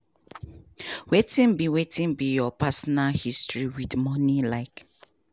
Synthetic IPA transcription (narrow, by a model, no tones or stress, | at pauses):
wetĩnbiwetĩnbijɔpasɔnalhistɹiwidmɔnilaɪk